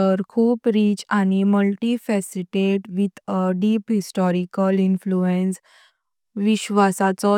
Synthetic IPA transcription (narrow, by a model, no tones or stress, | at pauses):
əɾkʰuːpɾiːt͡ɕañiməlʈifɛsiʈeʈʋit̪əɖiːpɦisʈɔɾikəlinfluẽns | ʋiɕʋasat͡sɔ